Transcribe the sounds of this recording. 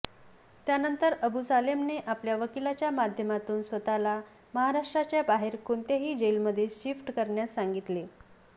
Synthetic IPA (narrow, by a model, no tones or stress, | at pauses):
t̪janənt̪əɾəbusalemneʔapljaʋəkilat͡ɕjamad̪ʱjəmat̪uːnsʋət̪ala | məɦaɾaʂʈɾat͡ɕjabaɦeɾkont̪aɦiːd͡ʑelməd̪ʱːjeɕifʈkəɾɳjasːaŋɡit̪le